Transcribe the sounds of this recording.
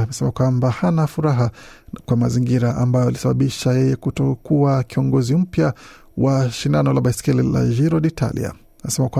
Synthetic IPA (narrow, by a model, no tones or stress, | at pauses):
mɛsɛmakwambahanafuɾaɦakwamaziŋɡiɾaʔambajɔalisaɓaɓiʃajɛjɛkutɔkuakiɔŋɡɔzim̩pja | waʃindanɔlaɓaskɛlila̰ʒiɾɔɗitʰa̰lḭa̰ | nasɛmakwa